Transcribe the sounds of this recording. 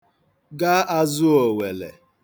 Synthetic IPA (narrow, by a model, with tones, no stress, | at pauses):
ɡa˦ʔa˦zʊ˦o˨we˨lḛ˨